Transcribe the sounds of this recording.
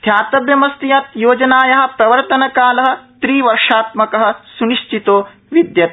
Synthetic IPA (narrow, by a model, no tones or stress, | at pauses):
t̪ʰjaːt̪ɐbjɐmɐst̪ijɐt̪joːd͡ʒɐnaːjɐɦɐ̆pɾɐʋɐɾt̪ɐnɐkaːlɐɦɐ̆t̪ɾiːʋɐɾʂaːt̪mɐkɐɦɐ̆suniʂt͡ʃit̪oː | ʋid̪jɐt̪